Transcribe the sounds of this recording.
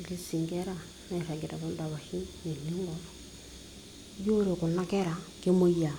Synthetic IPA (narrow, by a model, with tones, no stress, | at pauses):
li˨si˨ŋɡɛ˦ɾa˦ | nɛ˨ɾa˨ɡɛ˨ɾa˨βɔ˦nda˨βa˨hi˦ne˨li˦ŋɡɔ˨lɔ | jo˦ɾe˨ku˨na˦kɛ˦ɾa˨ke˦mo˦ia˨